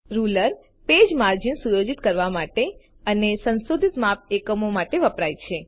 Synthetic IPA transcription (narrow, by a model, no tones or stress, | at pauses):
ɾuləɾ | ped͡ʒmaɾd͡ʒinsujod͡ʒit̪kəɾʋamaʈe | ənesənsod̪ʱit̪map̚ekəmomaʈeʋəpɾajt͡ʃʰe